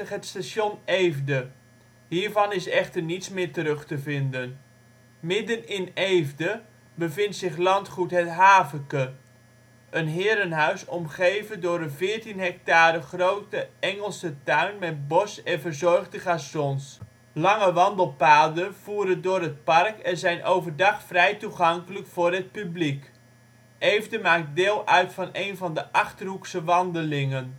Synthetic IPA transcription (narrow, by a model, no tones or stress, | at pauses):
əχɦətstasonejvdə | ɦiːɹvɑnɪsɛχtərnitsmɪːɹtəɾɵχtəvɪndən | mɪdənɪnejvdə | bəvɪntsɪχlɑntχutɦətɦaːvəkə | ʔənɦɪːɾənɦœɥsɔmχejvəndʊːɾəvɪːɹtinɦɛk̚taːɾəχrowtəɛŋəlˠsətœɥnmɛt̚bɔsɛnvəɹzɔɹχdəχaːsɔns | lɑŋəʋɑndəlˠpaːdənv̥uːɾəndʊːɾɦət̚pɑrkɛnzɛjnʔowvəɹdɑχfrɛjtuχɑŋkələkfʊːrɦət̚pyblik | ʔejvdəmaːk̚t̚dɪːlˠʔœɥtfɑnejnvɑndəʔɑχtərɦuksəʋɑndəlɪŋən